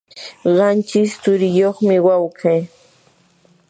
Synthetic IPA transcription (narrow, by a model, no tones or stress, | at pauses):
ɢɑnt͡ʃɪst͡sʊɾɪjoχmɪwawkʰaː